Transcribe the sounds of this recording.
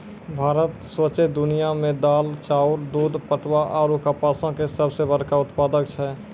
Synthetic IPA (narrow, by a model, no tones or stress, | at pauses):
bʱaːɾət̪swət͡ʃed̪ʊnijamẽd̪aːlt͡ʃaːʊɾd̪uːd̪pəʈwaʔɔːɾukapasə̃kesəbsebəɾkaʊt̪paːd̪ək̚t͡ʃʰɛ